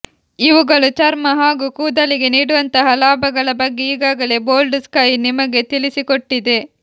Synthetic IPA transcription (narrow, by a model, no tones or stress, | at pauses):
iʋuɡɐɭut͡ʃɐɾmɐɦaːɡukuːd̪ɐliɡe̞niːɽuʋɐnt̪ɐɦɐlaːbʱɐɡɐɭɐbɐɡːe̞iːɡaːɡɐle̞bo̞ːlɖskɐjnimɐɡe̞t̪ilisikoʈːid̪e̞